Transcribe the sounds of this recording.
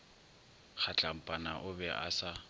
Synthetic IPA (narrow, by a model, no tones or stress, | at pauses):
χʰat͡ɬʼam̩pʼanaʔʊbɛʔa̰sa